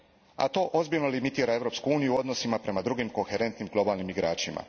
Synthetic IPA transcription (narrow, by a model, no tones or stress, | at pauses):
a̰t̪o̞ːʔozbiʎnolimit̪iːɾae̞vɾo̞ːpskuuːnijuo̞d̪no̞simapɾe̞mad̪ɾuɡimko̞xe̞ɾe̞nt̪nimɡlˠo̞baːlˠnimiɡɾaːt͡ʃima̰